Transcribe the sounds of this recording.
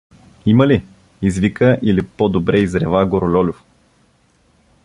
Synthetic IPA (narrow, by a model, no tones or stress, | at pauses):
iməli | izvikəʔilipɔd̪obɾɛizɾɛvaɡoɾolʲɔlʲof